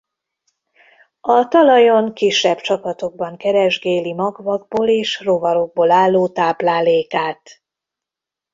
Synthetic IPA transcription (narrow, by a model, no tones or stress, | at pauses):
ɒt̪ɒlɒjoŋkiʃːɛbt͡ʃɒpɒt̪o̞ɡ̚bɒŋkɛɾɛʒɡeːlimɒɡvɒɡ̚boːleːʃro̞vɒɾo̞ɡ̚boːlaːlːoːt̪aːblaːleːkaːt̪